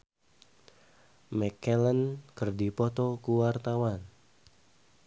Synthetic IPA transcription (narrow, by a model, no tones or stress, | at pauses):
mɛkɛlənkɨrdipɔt̪ɔkuwart̪awan